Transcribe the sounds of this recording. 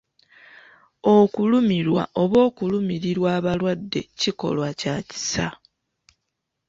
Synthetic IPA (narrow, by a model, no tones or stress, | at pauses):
okulumiɾwa̰ʔo̞βo̞ːkulumiɾiɾwaːβalwadːe̞ciko̞̰lwacaci̥sa